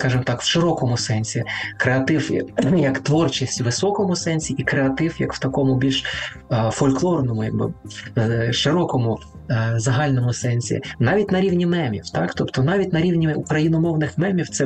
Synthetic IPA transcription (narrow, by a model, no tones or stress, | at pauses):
skɑʒɪmt̪ɑkw̥ʃɪɾɔkɔmʊsɛnʲsʲikɾeɐt̪ɪwjɐkt̪ʋɔrt͡ʃisʲtʲʋɪsɔkɔmʊsɛnʲsʲiikɾeɐt̪ɪwjɐkw̥t̪ɐkɔmʊbʲilʲʃ | fɔlʲklˠɔrnɔmʊjɐɡ̚bɪ̰ | ʃɪɾɔkɔmʊ | zɐɦɑlʲnɔmʊsɛnʲsʲḭnɑʋʲitʲnɐɾʲiwnʲimɛmʲḭwt̪ɑkt̪ɔpt̪ɔnɑʋʲitʲnɐɾʲiwnʲiukɾɐjinɔmɔwnɪxmɛmʲiwt̪sɛ